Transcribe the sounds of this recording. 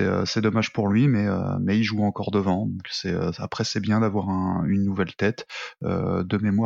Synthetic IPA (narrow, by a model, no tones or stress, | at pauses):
ɛø̰sɛd̪ɔmaʒ̥puʁlɥimɛø̰mɛilʒuɑ̃kɔʁd̪əvɑ̃d̪ɔ̃ksɛøapχɛsɛbjɛ̃d̪avwaʁɛ̃ynːuvɛlt̪ɛt̪ø̰d̪əmemwa